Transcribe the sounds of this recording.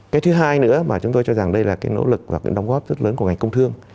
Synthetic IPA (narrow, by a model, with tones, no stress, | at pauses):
kaː˨˦jt̪ʰɨ˨˦ɦaː˧jnɨ̰˧˥əmaː˨˩t͡ɕʊ˨˦ŋ͡mt̪o˧jt͡ɕɔ˧za˨˩ŋɗə˧jlaː˨˩kaː˨˦jno̰˧˥lɨ˨˩k̚vaː˨˩ka̰ː˨˦jɗwŋ͡mɣɔ˦˥p̚zə˦˥t̚ləː˨˦nku˧˩əŋ˨˩ŋkə˧wŋ͡mt̪ʰɨ˧əŋ